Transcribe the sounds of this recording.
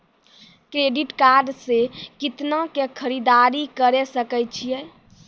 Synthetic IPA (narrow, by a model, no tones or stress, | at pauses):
kɾeɖiʈkaɾɖsekit̪nakekʰəɾid̪aɾikəɾesəkəjt͡ʃʰijɛ